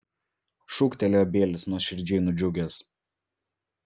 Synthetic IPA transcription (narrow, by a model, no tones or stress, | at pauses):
ʃʊkt̪ʲɛlʲoːbʲeːlʲɪsnuɔʃʲɪɾʲd͡ʒʲɛɪnʊd͡ʒʲʊɡʲeːs